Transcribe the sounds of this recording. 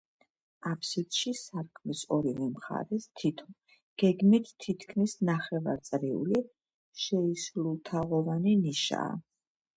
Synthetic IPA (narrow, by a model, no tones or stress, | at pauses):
apʰsit̪ʃisaɾkʰmisɔɾivɛmχa̰ɾɛst̪ʰit̪ʰɔ | ɡ̥ɛɡmit̪ʰːit̪ʰkʰmisnaχɛva̰ɾt̪sʼɾiṵli | ʃɛislulˠt̪ʰaʁɔvaniniʃa̰ː